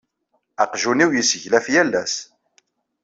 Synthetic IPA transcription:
æqʒuniwjəsəʝlæfjælːæs

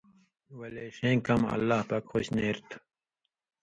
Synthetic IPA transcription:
wɐleːʂẽːkɐmɐ̰lːaːhpɐkxoɕneɾt̪ʰ

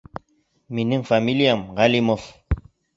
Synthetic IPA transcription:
minɘŋfamʲilʲijamʁalʲimof

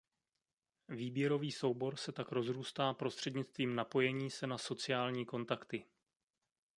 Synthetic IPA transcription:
viːbjɛɾo̞viːso̞wbo̞ɾsɛt̪akɾo̞zɾuːst̪aːpɾo̞st̪r̝̥ɛdɲɪt͡st̪viːmnapo̞jɛɲiːsɛnaso̞t͡sɪaːlɲiːko̞nt̪akt̪ɪ

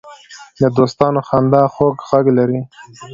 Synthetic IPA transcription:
d̪əd̪ost̪ɑnoxɑnd̪ɑxoɡɣaɡlaɾi

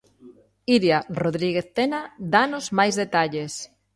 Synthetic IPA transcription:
iɾjaroðɾiɣeθt̪enad̪anozmajzðet̪aʎes

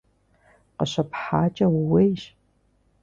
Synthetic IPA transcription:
qəɕɐpħaːt͡ʃʼɐwwejɕ

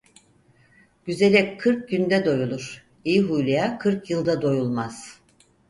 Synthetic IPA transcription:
ɟ̥yze̞lʲɛkʰɯɾk̚ɟynd̪ɛd̪o̞julˠuɾ̥ | ijiɦujlˠijakʰɯɾkjɯlˠd̪ad̪o̞julˠmaz̥

